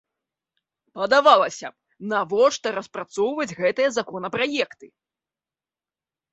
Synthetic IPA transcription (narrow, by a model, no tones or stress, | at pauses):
pɐd̪avalˠɐsʲɐ | navɔʂt̪ɐɾɐspɾat̪sɔwvɐd͡zʲɣɛt̪ɨjɐzakɔnɐpɾajɛkt̪ɨ